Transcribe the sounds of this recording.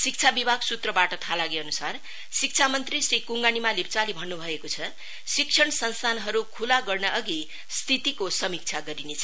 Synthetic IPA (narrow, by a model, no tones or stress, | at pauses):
sik̚t͡sʰabibʱaɡsut̪rʌbaʈʌt̪ʰalaɡeʌnusar | sik̚t͡sʰamʌnt̪risrikuŋɡanimalipt͡salibʱʌnːubʱʌekot͡sʰʌ | sik̚t͡sʰʌɽ̃ʌsʌnst̪ʰanɦʌɾukʰulaɡʌrnʌʔʌɡi | st̪ʰit̪ikosʌmik̚t͡sʰaɡʌɾinet͡sʰʌ